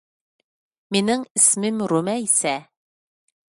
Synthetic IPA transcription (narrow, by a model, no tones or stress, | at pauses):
minɘŋɘ̆smɘmɾumæisæ